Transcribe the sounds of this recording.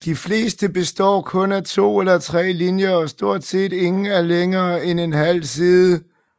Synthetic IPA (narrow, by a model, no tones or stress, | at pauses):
d̥ifle̝̰ːsd̥əb̥e̝sd̥ɒ̰ːkʰɔ̽næt͡sʰo̝̰ːelɐt͡sʰʁɛ̰ːlinjɐɒ̽sd̥o̝ɐ̰d̥se̝̰ːd̥e̝ŋn̩æɐleŋɐːene̝nhæl̰siːðˠə